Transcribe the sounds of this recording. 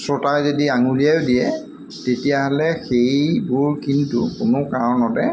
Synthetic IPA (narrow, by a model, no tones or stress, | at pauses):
sɹɔtajzodiaŋulijajʊdijɛ | tetijaɦɔlɛxejbʊɹkintukʊnʊkaɹɔnɔdɛ